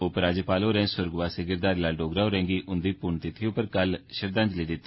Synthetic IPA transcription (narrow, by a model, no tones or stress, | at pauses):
ʊpɾaːd͡ʒepaːloːɾɛ̃ːsʊɾɡʋaːseːɡɪɾd̪aːɾlaːɖoːɡɾaːoɾɛ̃ːŋɡiːʔʊnd̪iːpʊɳt̪ɪt̪ʰiːʊpəɾkəlʃəɾd̪ə̃nd͡ʒliːd̪ɪt̪ː